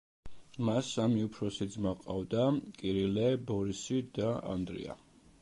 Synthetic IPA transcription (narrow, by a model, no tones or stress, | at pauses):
masamiupʰɾɔsid̪zmaqʼavd̪akʼiɾilɛbɔɾisid̪aa̰nd̪ɾḭa̰